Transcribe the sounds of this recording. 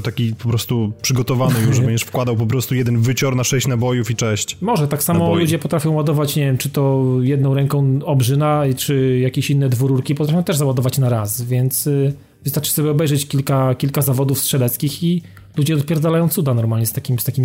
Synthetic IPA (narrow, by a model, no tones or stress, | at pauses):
t̪akʲipɔpɾɔst̪upʂɘɡɔt̪ɔvanɨjuʐɛbɛɲd͡ʑɛʂfkwad̪awp̬ɔpɾɔst̪ujɛd̪ɛnvɘt͡ɕɔɾnaʂɛɕt͡ɕnabɔjufit͡ʂɛɕt͡ɕmɔʐɛt̪aksammɔlud͡ʑɛpɔt̪ɾafʲjɔ̃w̃wad̪ɔvat͡ɕɲevjɛmt͡ʂɘt̪ɔjɛd̪̚nɔ̃w̃ɾɛŋkɔ̃w̃ɔbʐɘnat͡ʂɘjakʲeɕinːɛd̪vuɾuɾkʲipɔt̪ɾafʲjɔ̃w̃t̪ɛʐzawad̪ɔvat͡ɕnaɾasvʲjɛnt̪s | vɨst̪aɾt͡ʂsɔbʲjɛɔbɛjʐɛt͡ɕkʲilkakʲilkazavɔd̪ufstʂɛlɛt̪skʲixi | lud͡ʑɛɔt̪̚pʲjɛɾd̪zalajɔ̃w̪̃sud̪anɔɾmalɲɛst̪akʲimst̪akʲimʲi